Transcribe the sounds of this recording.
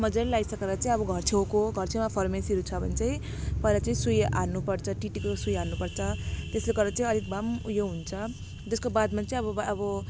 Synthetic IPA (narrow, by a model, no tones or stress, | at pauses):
mʌd͡zaɾilajsʌkeɾʌt͡saĩʌbʌɡʱʌrt͡sʰewkoɡʱʌrt͡sʰemapʰʌrmesiɾut͡sʰʌbʱʌnit͡saĩ | pʌeɾʌt͡saĩsuja̰nupʌrt͡sʰʌʈiʈikosujanupʌrt͡sʰʌt̪esleɡʌɾʌt͡saĩʌɾik̚bʱamjoɦunt͡sʰʌ | d͡zeskobad̪mat͡saĩʌβʌbʌbʌ